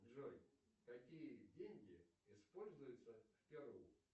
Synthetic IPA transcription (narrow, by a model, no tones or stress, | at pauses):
ʐojkɐkʲijədʲenʲɡʲɪɪspolʲzʊjʊt̪səfʲpʲɪɾuj